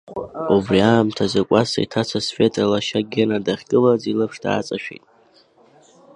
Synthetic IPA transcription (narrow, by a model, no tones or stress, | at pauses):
ubriaːmtʰazakʷʼasa̰itʰat͡sʰasfetʼalaʃaɡʲenadaχʲkʼɨlazilɨpʰʂda̰ːt͡sʼaʃᶣḭtʼ